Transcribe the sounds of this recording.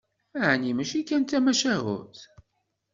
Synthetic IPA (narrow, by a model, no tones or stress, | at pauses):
æʕnimæʃikːænt̪ːæmæʃæɦʊ̰θ